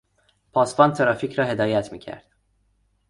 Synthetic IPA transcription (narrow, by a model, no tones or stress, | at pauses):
pʰɒːsbɒːnt̪ʰeɾɒːfiːcʰɾɒːɦe̞d̪ɒːjæt̪ʰmiːcʰæ̰ɾd̪̥